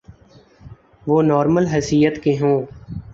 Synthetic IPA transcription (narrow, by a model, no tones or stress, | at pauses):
ʋoːnɔːɾməlɦɪsijət̪keɦõː